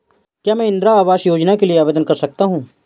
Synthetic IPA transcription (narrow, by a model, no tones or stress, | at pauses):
kjaːmɛ̃ːɪ̃nd̪ɾaaːʋaːʃjoːd͡ʒnakelieaːʋeːd̪ənkɐɾsɐk̚t̪aɦũː